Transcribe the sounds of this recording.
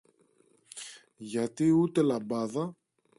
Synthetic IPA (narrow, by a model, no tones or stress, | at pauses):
ʝɐt̪iut̪e̞lɐbɐðɐ